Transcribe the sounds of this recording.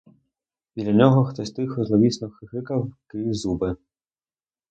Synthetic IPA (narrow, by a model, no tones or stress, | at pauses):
id̪lʲɐnʲɔɦɔxt̪ɔsʲt̪ɪxɔzlˠɔʋʲisnɔxɦɪkɐwkɪzubɪ